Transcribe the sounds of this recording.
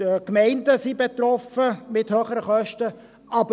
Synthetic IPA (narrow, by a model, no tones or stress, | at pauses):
əkmɛɪndəsibɛt̪ɾɔfəmɪthøːχəɾəχœʃtə | ʔɑbə